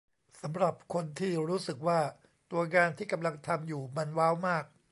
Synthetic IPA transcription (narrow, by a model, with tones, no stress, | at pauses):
sa˩˦mɾa˨˩p̚kʰo˧nt̪ʰiː˥˩ɾuː˦˥sɯ˨˩k̚waː˥˩ | t̪u˧ɐŋaː˧nt̪ʰiː˥˩ka˧mla˧ŋt̪ʰa˧mjuː˨˩ma˧nwaː˦˥wmaː˥˩k̚